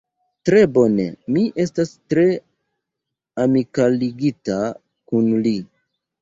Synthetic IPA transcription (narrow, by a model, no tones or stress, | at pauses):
tɾe̞bo̞ne̞̰miʔe̞stastɾe̞ | amikaliɡita | kunli